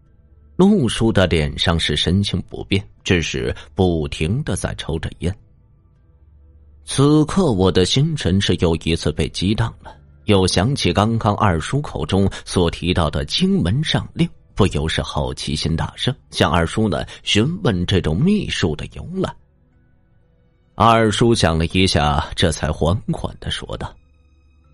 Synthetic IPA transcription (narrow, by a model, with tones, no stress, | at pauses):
lu˥˩ʂu˥d̪ə˨ljɛ˨˩nʂɑ˥˧ŋʂɻ̩˥˩ʂə˥nt͡ɕʰi˧˥ŋpṵ˧˥pjɛ˥˩nʈ͡ʂ̩˥˧ʂɻ̩˥˧˩pu˥˩t̪ʰi˧˥ŋd̪ə˧˨t͡sa̰˥˩ɪʈ͡ʂʰo˧˥ʊʈ͡ʂə̰˥˩jɛ˥n | t͡s̩ʰ˨˩kʰɤ˥˩wɔ˨˩d̪ə˦ɕi˥ŋʈ͡ʂʰə˧˥nʂɻ̩˥˩jo˧˥ʊi˧˥t͡sʰɹ̩˥˧pe˥˩ɪt͡ɕi˥t̪ɑ˥˩ŋd̪ə̥˩˦ | jo˥˩ʊɕjɑ˧˥ŋt͡ɕʰi˨˩kɑ˥ŋkɑ˥ŋʔɐ̰˞˥˩ʂu˥kʰo˨˩ʊʈ͡ʂʊ˥ŋswɔ˨˩t̪ʰi˧˥t̪ɑ˥˩ʊd̪ə˩t͡ɕi˥ŋmə˧˥nʂɑ˥˧˩ŋli˥˩ŋ | pu˥˩jo˧˥ʊʂɻ̩˥˧xɑ˥˩ʊt͡ɕʰḭ˧˥ɕi˥nt̪a̰˥˩ʂɤ˥ŋɕjɑ˥˧ŋʔɐ˞˥˩ʂu˥nə̰˨˩ɕy˧˥nwə˥˧nʈ͡ʂɤ˥˩ʈ͡ʂʊ˨˩ŋmi˥˧ʂu˥˩d̪ə̰˩jʊ˧˥ŋla̰˨˩˦ | ɐ˥˩ə˞˨˩ʂu˥ɕjɑ̰˨˩ŋlə˦i˧˥ɕja̰˥˩ʈ͡ʂɤ˥˩t͡sʰa˧˥ɪxwa˧˥nkʰwa̰˨˩nd̪̥ə˦ʂwɔ̰˥d̪ə̰˩